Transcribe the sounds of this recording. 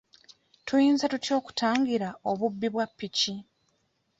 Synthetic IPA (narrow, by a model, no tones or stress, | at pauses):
tujiːnzatutjo̞ːku̥taːŋɡiɾaoβubːiβwapːici